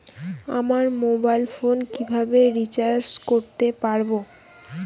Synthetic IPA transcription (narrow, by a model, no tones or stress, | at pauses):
a̰maɾmobajlfonkibʱabeɾit͡ɕaɾd͡ʑkoɾt̪epaɾbo